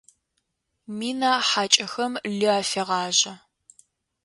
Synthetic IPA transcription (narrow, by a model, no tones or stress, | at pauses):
miːnaːħaːt͡ʃʼɐxɐmɮɨaːfeʁɑːʑɐ